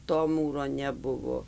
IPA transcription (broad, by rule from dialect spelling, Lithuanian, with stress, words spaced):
toː ˈmuːroː nʲɛˈbʊʋoː